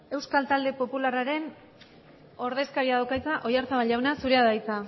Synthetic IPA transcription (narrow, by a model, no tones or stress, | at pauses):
e̞wskalt̪ald̪e̞po̞pularaɾe̞n | o̞ɾðe̞skaɾiaðawkajt͡saʔo̞jaɾt͡saβaʎawnasuɾe̞aðajt͡sa